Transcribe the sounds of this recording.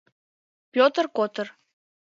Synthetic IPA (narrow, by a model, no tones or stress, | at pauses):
pʲot̪ərkot̪ər